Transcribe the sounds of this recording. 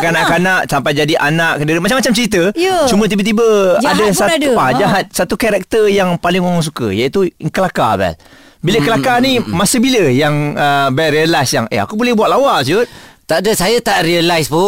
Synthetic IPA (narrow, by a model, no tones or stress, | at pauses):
kanaʔkanaʔsampajd͡ʒadiʔanaʔkəndiɾəmat͡ʃamːat͡ʃamt͡ʃəɾit̪̬ət͡ʃumət̪̬ibət̪̬ibəadasapad͡ʒaɦat̪̚sat̪ukaɾɛk̚t̪əjaŋpalɪŋoŋɔŋs̬ukə̰jait̪uŋkəlaka̰bɛ̰l | biləkəlakanimasəbiləjaŋəbɛtɾiəlasjaŋḛa̰kubolɛhbwat̪lawaʔsut̪̚t̪aʔdəsajat̪aʔriəlajspʊ